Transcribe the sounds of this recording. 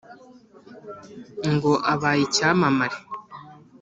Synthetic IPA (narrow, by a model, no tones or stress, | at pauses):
ŋɡoʔaβaːjicaːmamaɾe